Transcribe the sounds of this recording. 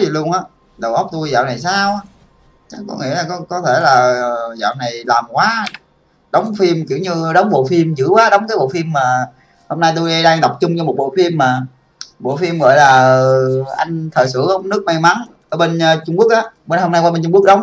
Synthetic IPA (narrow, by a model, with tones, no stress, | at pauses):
i˨˩lu˧əŋʔaː˨˦ | ɗə˨˩wʔə˨˦˥k͡p̚t̪u˧jza̰ː˧˨wna˨˩jsaː˧w | t͡ɕa˦˥k̚kɔ˨˦ŋḭ˧˥əlaː˨˩kɔ˨˦kɔ˨˦t̪ʰe˧˩laː˨˩˨za̰ː˧˨wna˨˩jlaː˨˩mkwaː˨˦ | ɗə˨˦wŋ͡mfi˧mki˧˩əwɲɨ˧ɗə˨˦wŋ͡mɓo̰˧˨fi˧mzɨ̰˧˥əkwaː˨˦ɗə˨˦wŋ͡mkaː˨˦jɓo̰˧˨fi˧əmːaː˨˩ | ho˧mna˧jt̪u˧jɗi˧ɗaː˧ŋɗ̪ɔ˨˩wk͡p̚t͡ɕʊ˧ŋ͡mt͡ɕɔ˧mo˨˩t̚ɓo̰˧˨fi˧mːaː˨˩ | ɓo̰˧˨fi˧əmɣɔ̰˧˨jlaː˨˩ə˨˩ʔa˧jŋ̟t̪ʰəː˨˩jsɨ̰˧˩˦ʔə˧wŋ͡mnɨ˦˥ək̚ma˧jma˨˦nʔəː˧˦ɓe˧nː˧t͡ɕʊ˧ŋ͡mku˦˥ək̚ʔaː˨˦ɓe˧nho˧mna˧jkwa˧ɓe˧nt͡ɕʊ˧ŋ͡mku˦˥ək̚ɗə˨˦wŋ͡m